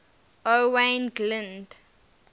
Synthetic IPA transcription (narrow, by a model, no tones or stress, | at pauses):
owẽnɡlɪ̃nd